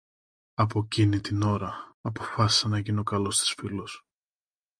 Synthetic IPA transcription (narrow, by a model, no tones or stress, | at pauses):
ɐp̬o̞cinit̪ino̞ɾɐːpo̞fɐsi̥sɐnɐʝino̞kɐlo̞st̪i̥sfilos